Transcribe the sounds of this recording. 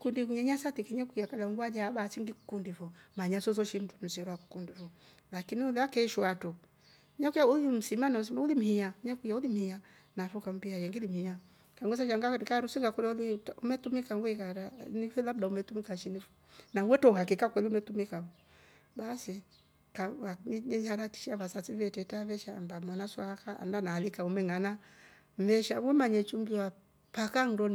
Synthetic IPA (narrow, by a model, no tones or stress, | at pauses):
kundikuɲaɲasatikɛɲakujakalaŋɡwad͡ʒaːɓat͡ʃiŋɡiku̥kundivɔmaɲasɔzɔʃintunusɛɾwaku̥kundivɔ | lakiniulɛakɛʃwatɔ | ɲakujaulim̩simanas̬imaulim̩hiaɲakujaulim̩hia | nafɔkam̩biajɛŋɡilim̩hia | kaŋɡɔs̬aʃaŋɡakaɾusiŋɡakulɔliumɛtumikaŋɡwɛkaɾanifɛlabdaumɛtumikaʃinifu̥nawɛtɔhakikakwɛliumɛtumikau | basi | kawaɲɛɲhaɾati̥ʃaβasatiβɛtɛtaβɛʃambamanaswakaa̰ndanaːlikaumɛŋana | m̩vɛʃawɛmaɲɛt͡ʃumbiwa | pakaŋdɔn